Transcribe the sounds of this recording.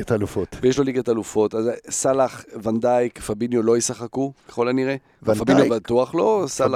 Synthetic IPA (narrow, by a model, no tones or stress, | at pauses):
at̪alufot̪vejeʃlo̞liɡat̪alufo̞tazsalaχvand̪ajkfabinjolo̞jisaχakukeχo̞laniʁe | vafabinjobat̪uaχlo̞sala